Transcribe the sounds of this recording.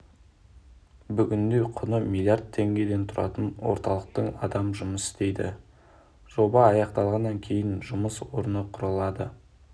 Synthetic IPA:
bʏɡʲɪnd̪e̞qʰʊnəmʲilʲˠijard̪̚t̪ʰːe̞ŋɡʲe̞d̪e̞nt̪ʰʊɾʔɑ̰t̪ənwo̞̰ɾt̪ɑlˠəq̚t̪əɴɑ̰d̪ɑmʒʊməsɪ̥st̪e̞jd̪ɪ̰ | ʒ̥o̞bɑːjɑqt̪ɑlˠʁɑnːɑŋkʲʰe̞jɪnʒʊməswoɾənəqʰʊɾɑlˠɑd̪ə

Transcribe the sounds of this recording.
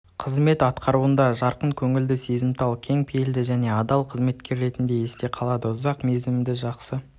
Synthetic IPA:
qʰəzme̞t̪ɑt̪qʰɑɾuənd̪ɑʒɑɾqəɴkʲʰɵŋɪld̪ɪse̞zɪmt̪ʰɑlˠkʲʰe̞ŋpʰejld̪ɪʒæne̞ɑd̪ɑlˠqʰəzme̞t̪kʲe̞ɾːe̞t̪ɪnd̪e̞je̞st̪e̞qʰɑlˠɑd̪əʊzɑqme̞zmd̪ɪʒɑqsə

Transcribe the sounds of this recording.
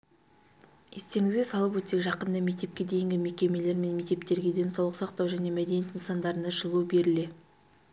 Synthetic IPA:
jest̪e̞ŋɪzɡʲesɑlˠəp̬wɵt̪ekʒɑqənd̪ɑme̞k̚t̪e̞p̚kʲe̞d̪e̞jɪŋɡʲɪme̞kʲe̞me̞le̞ɾme̞nme̞k̚t̪e̞pt̪e̞ɾɡʲe̞d̪e̞nsɑwlˠəqsɑq̚t̪ɑwʒæne̞mæd̪enijet̪ənsɑnd̪ɑɾənɑʒəlˠube̞ɾɪle̞

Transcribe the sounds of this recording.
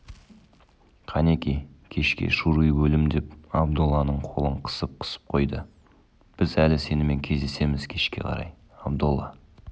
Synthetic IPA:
qʰɑnekʲejkʲʰe̞ʃkʲḛʃuɾujbɵlɪmd̪e̞pɑb̚d̪ulˠːɑnəɴqʰo̞̰lˠəɴqʰə̥səp̚qʰə̥sə̥p̚qʰo̞jd̪ə | b̥ɪzælɪse̞nɪme̞ŋkʲʰe̞zd̪e̞se̞mɪz̥kʲʰe̞ʃkʲe̞̰qʰɑ̰ɾɑ̰j | ɑbd̪ulˠːɑ

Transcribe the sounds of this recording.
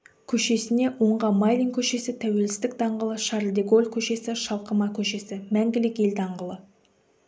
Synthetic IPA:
kʲʰɵʃe̞sɪne̞wo̞ɴʁɑmɑjlʲiŋkʲʰɵʃe̞sɪt̪ʰæwe̞lsɪ̥zt̪ɪk̚d̪ɑɴʁəlˠəʃɑɾld̪eɡo̞lʲˠkʲʰɵʃe̞sɪʃɑlˠqəmɑkʲʰɵʃe̞sɪmæŋɡʲɪlɪke̞ld̪ɑɴʁəlˠə

